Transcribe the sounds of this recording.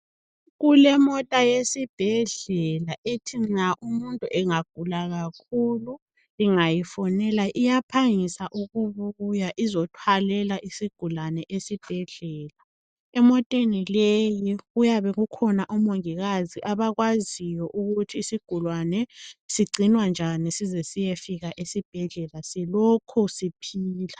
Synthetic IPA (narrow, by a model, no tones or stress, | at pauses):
ɣulɛmɔtʼajesib̥ʱɛɮɛlaʔetʰiŋ͡ǁaʔumuntʼuʔɛŋaɡ̥̚ʱulaɣakʰulu | liŋajifɔnɛlaʔijapʰaŋisaʔuɣuβuujaʔizɔtʰwalɛlaʔisiɡ̥ʱulanɛʔesib̥ʱɛɮɛːla | ɛmɔtʼenilejiɣujaβɛɣukʰɔnaʔɔmoŋiɣaziʔaβaɣwazijɔʔuɣutʰiːsiɡ̥ʱulwanɛsiɡ͡ǀʱinwand͡ʒʱanisizɛsijefiɣaʔesib̥ʱɛɮɛlasilɔkʰusipʰiːla